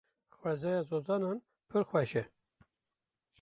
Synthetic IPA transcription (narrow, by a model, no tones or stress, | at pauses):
xwɛzɛjɑːzozɑːnɑːn | pʰɨɾxʷwɛʃɛ